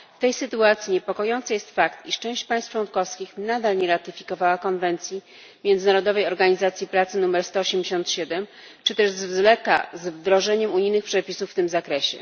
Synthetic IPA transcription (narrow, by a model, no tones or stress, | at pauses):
ft̪ɛjsɘt̪uat̪sʲjiɲɛpɔkɔjɔnt̪sajɛst̪fakt̪iʂt͡ʂɛ̃w̃ɕt͡ɕpãj̃st̪t͡ʂwɔnkɔfskʲixnad̪alɲɛɾat̪ɘfʲikɔvawakɔnvɛnt̪sʲji | mʲjɛnd̪zɘnaɾɔd̪ɔvɛjɔɾɡaɲizat̪sʲjipɾat̪sɘnumɛɾst̪ɔɔɕemd͡ʑeɕɔnt̪ɕɛd̪ɛm | t͡ʂɘt̪ɛʐzvzlɛka̰zvd̪ɾɔʐɛɲɛmuɲijnɘxpʂɛpʲisufːt̪ɘmzakɾɛɕɛ̰